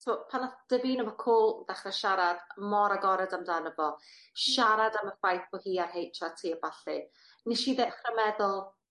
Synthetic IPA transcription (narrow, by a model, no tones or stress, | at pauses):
tʰɪmɔpʰanad̥əviːnəmɔkʰoːlˠdaχrɛʃaɾad̥mɔɾaɡɔɾɛdamdanəbɔ | ʃaɾadaməfajθbɔhiːarhɦejtʰatʰiːəbaɬḭ | niʃiðɛχrəmɛðʊlˠ